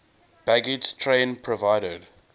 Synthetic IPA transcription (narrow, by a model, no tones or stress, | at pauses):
b̥æɡɪd͡ʒtʰɹẽnpʰɹɔvaɪɾəd